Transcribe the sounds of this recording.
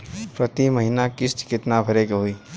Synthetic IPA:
pɾət̪imɐɦɪnakɪst̪kɪt̪nabʱɐɾekɦʊiː

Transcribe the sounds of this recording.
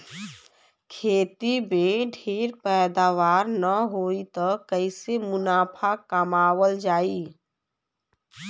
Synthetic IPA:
kʰeːt̪ibẽɖʱeːɾpɛːd̪aːʋaːɾnəɦoːit̪əkəɪsemʊnaːpʰakəmaːwəld͡ʒaːiː

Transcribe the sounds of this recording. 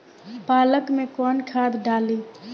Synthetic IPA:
paːləkmẽkɔnkʰaːd̪ɖaːliː

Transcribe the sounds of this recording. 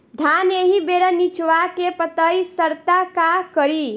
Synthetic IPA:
d̪ʱaneɦibeɾʌnit͡ʃʰwakepət̪əjsəɾt̪akakʌɾi

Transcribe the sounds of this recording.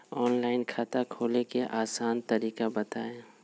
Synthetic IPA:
ɔːnlaːɪnkʰaːt̪akʰoːlekeʔaːsaːnt̪ɐɾiːkabɐt̪aːe

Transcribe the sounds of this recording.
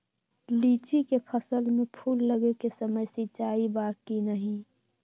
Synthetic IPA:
liːt͡ʃikepʰəsəlmẽpʰuːlːəɡekesəməjsit͡ʃaːibaːkkinəɦĩ

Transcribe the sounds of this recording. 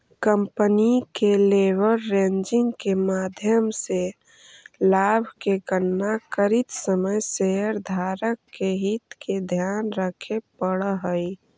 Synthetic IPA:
kəmpənikeleʋəɾːẽnd͡ʒɪ̃ŋɡkemad̪ʱjəmse | laːbʱkeɡənːakəɾit̪səməjseəɾd̪ʱaɾəkːeɦit̪ked̪ʱjanɾəkʰepəɽɦəj

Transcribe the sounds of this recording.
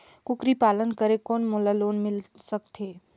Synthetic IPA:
kʊkɾipaːlənkəɾekɔːnmoːlaloːnmɪl | sək̚t̪ɦeː

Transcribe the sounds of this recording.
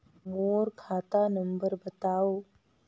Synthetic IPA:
moːɾkʰaːt̪anə̃mbəɾbət̪aːoː

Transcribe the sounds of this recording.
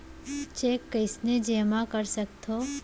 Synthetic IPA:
t͡ʃeːkːəɪsned͡ʒeːmakəɾsəkt̪ʰo

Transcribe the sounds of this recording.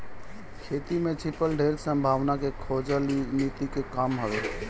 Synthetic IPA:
kʰeːt̪imẽt͡ʃʰɪpəlɖʱeɾsə̃mbʱaːʋnakekʰod͡ʒəlnit̪ikekaːmɦəʋe

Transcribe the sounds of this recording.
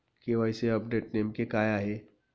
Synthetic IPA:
keʋaɪseɐp̚ɖeːʈ̚neːmkekaːjaɦɛː

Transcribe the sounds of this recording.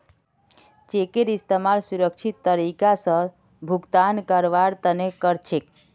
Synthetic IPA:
t͡ʃekeɾist̪emalsuɾəkt͡ʃʰit̪ːəɾikasə̃ | bʱuɡt̪ankəɾʋaɾt̪ənekəɾt͡ʃʰek

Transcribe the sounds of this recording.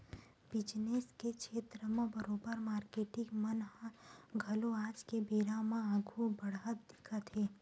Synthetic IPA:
bɪd͡ʒneskekʃeːt̪ɾəmẽbəɾoːbəɾmaːɾkeːʈɪɡmənɦɡʱɐloaːd͡ʒkebeːɾamãaːɡʱubɐɽɦət̪d̪ɪkʰət̪ɦeː

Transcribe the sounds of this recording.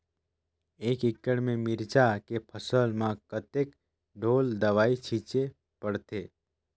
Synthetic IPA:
eːkɪkːəɽmẽmɪɾt͡ʃakepʰəsəlmãkət̪ek | ɖoːld̪əʋaːit͡ʃʰiːt͡ʃe | pəɽt̪eː

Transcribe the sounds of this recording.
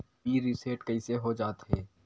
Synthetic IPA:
biːɾɪseːʈkɐɪseɦod͡ʒaːt̪ɦɛː

